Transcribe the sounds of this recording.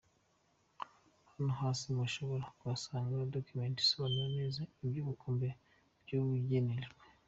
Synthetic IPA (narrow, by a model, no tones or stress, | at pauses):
hanoɦaːsimaʃoβoɾakwasaːŋɡadokumenti̥soβananizaibjuβikombe | bɟuβuɟeneʒɡwe